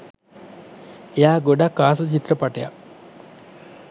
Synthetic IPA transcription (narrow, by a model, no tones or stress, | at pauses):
ejaɡoɖakːaːsɐt͡ʃit̪ɾɐpaʈeja̰